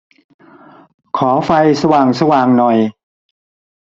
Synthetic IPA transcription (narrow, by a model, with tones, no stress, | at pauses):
kʰɔː˩˦fa˧jsa˧waː˨˩ŋsa˧waː˨˩ŋnɔ˨˩j